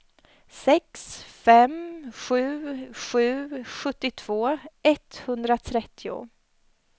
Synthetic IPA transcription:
sɛksfɛmɧʉ̟ːɧʉ̟ːɧɵt̪ːɪt̪ʰv̥oːʔɛt̪hɵnd̪ɾat̪ʰɾɛt̪ːɪʊ̰

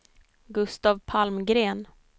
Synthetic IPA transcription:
ɡɵst̪aːvpʰalmɡɾeːn

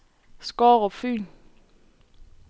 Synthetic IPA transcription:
skɔːʁɔfyːn

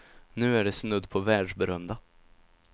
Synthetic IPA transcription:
nʉ̟ːæɖɛsnɵd̪ːpʰɔvæːɖʂbɛɾœmd̪a

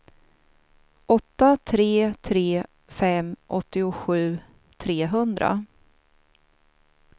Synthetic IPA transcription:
ʔɔt̪ːat̪ʰɾeːt̪ʰɾeː | fɛmʔɔt̪ːɪʊɧʉ̟ː | t̪ʰɾeːɦɵnd̪ɾa̰

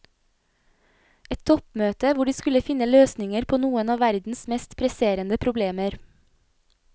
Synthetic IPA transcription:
ɛt̪t̪ʰɔpmøːt̪əʋʊɖiːskʉləfɪnəløːsnɪŋəɾpʰoːnuːənɑːʋæɾd̪n̩smɛst̪pʰɾɛseːɾənəpʰɾʊbleːməɾ

